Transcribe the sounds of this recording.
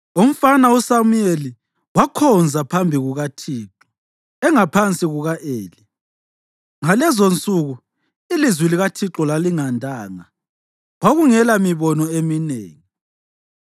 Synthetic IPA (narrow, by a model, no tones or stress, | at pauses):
om̩fanausamujeli | wakʰɔnd͡zʱapʰambʱiɣuɣatʰiːǁɔ̥ | ɛŋapʰant͡sʼiɣuɣaʔeːli | ŋalɛzont͡sʼuɣu | ilizwiliɣatʰiǁɔlaliŋandʱaːŋa | waɣuŋɛlamiβɔnɔeminḛːŋi